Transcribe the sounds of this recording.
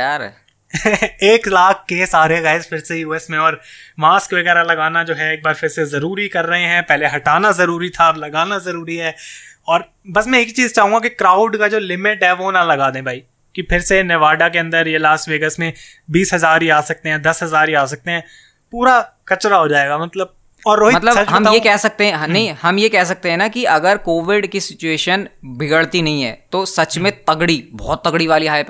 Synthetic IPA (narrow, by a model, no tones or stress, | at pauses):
a | eːklaːkʰkeːsaːɾeɣaːɪzpʰɪɾsejuːɛsmẽɔːɾmaːskʋɐɣɛːɾalɐɡaːnad͡ʒoːɦɛeːk̚baːɾpʰɪɾsezɐɾuːɾikɐɾːɐɦeɦɛ̃ːpɛɦleɦɐʈaːnazɐɾuːɾit̪ʰalɐɡaːnazɐɾuːɾiɦɛːɔːɾ | bɐsmɛ̃ekit͡ʃiːzt͡ʃaːɦũŋɡakikɾaːʊɖkad͡ʒoːlɪmɪʈɦɛʋonalɐɡaːd̪ẽbʱaːiː | kipʰɪɾsenɛʋaːɖak̬eɐ̃nd̪əɾjelaːsʈʋeːɡəsmẽ | biːsɦɐzaːɾɦiaːsɐk̚t̪eɦɛ̃ːd̪ɐsɦɐzaːɾiaːs̬ɐk̚t̪eɦɛ̃ː | puːɾakɐt͡ʃɾaɦoːd͡ʒaːeːɡaːmɐt̪ləb̚ | ɔːɾːoːɦimɐt̪ləɐt͡ʃɦɐmajekɛɦsɐk̚t̪eɦɛ̃ɦnnɐɦĩhɐmjekɛɦs̬ɐk̚t̪eɦɛ̃nakiʔɐɡəɾkoːʋɪɖkisɪt͡ʃueːʃənbʱɪɡəɽt̪inɐɦĩɦɛ̰ːt̪oːsɐt͡ʃmẽt̪ɐɡɽibɔːt̪ːɐɡɽiʋaːliɦaːjp